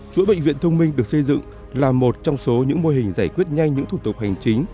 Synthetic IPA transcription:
t͡ɕṵ˧˥jɓḛ˧˨ŋvḭ˧˨ənt̪ʰə˧wŋ͡mmï˧ŋ̟ɗɨ˨˩ək̚sə˧jzɨ̰˧˨ŋ | laː˨˩mo˨˩t̚t͡ɕɔ˧wŋ͡mso˨˦ɲɨ̰˧˥ŋmo˧jɦï˨˩ŋ̟zaː˧˩jkwi˦˥ət̚ɲa˧jŋ̟ɲɨ̰˧˥ŋt̪ʰu˧˩t̪ʊ˨˩k̚ha˨˩jŋ̟t͡ɕï˨˦ŋ̟

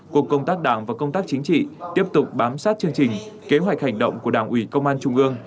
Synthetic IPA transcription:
ku˨˩əkːə˧wŋ͡mt̪aː˦˥k̚ɗaː˧˩ŋvaː˨˩kə˧wŋ͡mt̪aː˦˥k̚t͡ɕï˨˦ŋ̟t͡ɕḭ˧˨t̪i˦˥əp̚t̪ʊ˨˩k͡p̚ɓaː˨˦msaː˦˥t̚t͡ɕɨ˧əŋt͡ɕï˨˩ŋ̟ke˨˦ɦwa˨˩jk̟̚ha˨˩jŋ̟ɗə̰˧˨wŋ͡mku˧˩əɗaː˧˩ŋʔwi˧˩kə˧wŋ͡mʔaː˧nt͡ɕʊ˧ŋ͡mʔɨ˧əŋ

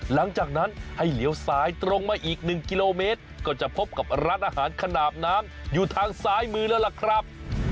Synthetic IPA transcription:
la˩˦ŋt͡ɕaː˨˩k̚na˦˥nha˥˩jli˨˦əwsaː˩˦˥jt̪ɾo˧ŋmaː˧ʔiː˨˩k̚nɯ˨˩ŋki˧loː˧meː˦˥t̪̚kɔː˥˩t͡ɕa˨˩pʰo˦˥p̚ka˨˩p̚ɾaː˦˥n̚ʔaː˧ɦaː˩˦nkʰa˧naː˨˩p̪̚naː˦˥mjuː˨˩t̪ʰaː˧ŋsaː˦˥jmɯː˧lɛː˦˥wla˨˩kʰɾa˦˥p̚

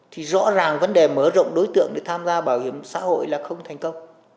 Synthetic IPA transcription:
t̪ʰi˨˩zɔ̰˧˥zaː˨˩ŋvə˨˦nɗe˨˩məː˧˩zə̰˧˨wŋ͡mɗo˨˦jt̪ɨ̰˧˨əŋɗe˧˩t̪ʰaː˧mzaː˧ɓaː˧˩whi˧˩əmsa̰ː˧˥ho̰˧˨jlaː˨˩xə˧wŋ͡mt̪ʰɛ˨˩jŋ̟kə˧wŋ͡m

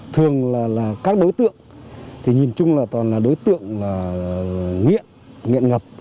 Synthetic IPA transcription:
t̪ʰɨ˨˩əŋlaː˨˩laː˨˩kaː˦˥k̚ɗo˨˦jt̪ɨ̰˧˨əŋt̪ʰi˨˩ɲi˨˩nt͡ɕʊ˧ŋ͡mlaː˨˩t̪waː˨˩nlaː˨˩ɗo˨˦jt̪ɨ̰˧˨əŋlaː˨˩ | ŋḭ˧˨ən | ŋḭ˧˨ənŋə˨˩p̚

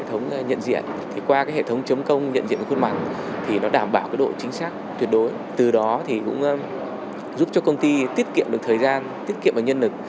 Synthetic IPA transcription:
t̪ʰə˨˦wŋ͡mɲə̰˧˨nzḭ˧˨ənt̪ʰi˨˩kwaː˧kaː˨˦jhḛ˧˨t̪ʰə˨˦wŋ͡mt͡ɕə˨˦ŋ͡mkə˧wŋ͡mɲə̰˧˨nzḭ˧˨n˨˩kwə˧nmaː˨˩n̚ | t̪ʰi˨˩nɔ˨˦ɗaː˧˩mɓaː˧˩wkaː˨˦jɗo̰˧˨t͡ɕï˨˦ŋ̟saː˦˥k̚t̪wət̚ɗo˨˦j | t̪ɨ˨˩ɗɔ˨˦t̪ʰi˨˩kʊ̰˧˥ŋ͡m | zu˦˥p̚t͡ɕɔ˧kə˧wŋ͡mt̪i˧t̪i˦˥ət̚kḭ˧˨əmɗk̚t̪ʰəː˨˩jzaː˧nt̪i˦˥ət̚kḭ˧˨əmʔəː˨˩ɲə˧nlɨ˨˩k̚

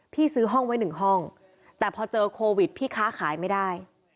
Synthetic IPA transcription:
pʰiː˥˩sɯː˦˥ɦɔ˥˩ŋwa˦˥jnɯ˨˩ŋɦɔ˥˩ŋ | t̪ɛː˨˩pʰɔː˧t͡ɕɤː˧kʰoː˧wi˨˩t̪̚pʰiː˥˩kʰaː˦˥˩kʰaː˩˦jma˥˩jdaː˥˩j

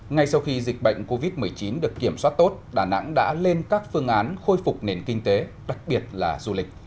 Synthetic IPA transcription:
ŋa˧jsa˧wxi˧zi˨˩k̟̚ɓə̰˧˨jŋ̟ko˧vi˦˥t̚mɨ˨˩əjt͡ɕi˨˦nɗɨ˨˩əkːi˧˩əmswa˦˥t̚t̪o˦˥t̚ɗaː˧˩na̰˧˥ŋɗa̰ː˧˥le˧nkaː˦˥k̚fɨ˧əŋʔaː˨˦nxo˧jfʊ˨˩k͡p̚ne˨˩nkï˧ŋ̟t̪e˨˦ | ɗa˨˩k̚ɓi˨˩ət̚laː˨˩zu˧lï˨˩k̟̚

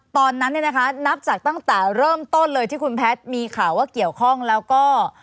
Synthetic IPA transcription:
t̪ɔː˧nːa˦˥nːi˥˩na˦˥kʰa˦˥na˦˥p̚t͡ɕaː˨˩k̚t̪a˥˩ŋt̪ɛː˨˩ɾɤː˥˩mt̪o˥˩nlɤː˧jt̪ʰiː˥˩kʰu˧npʰɛː˦˥t̪̚miː˧kʰaː˨˩˦waː˥˩ki˨˩əwkʰɔ˥˩ŋlɛː˦˥wkɔː˥˩

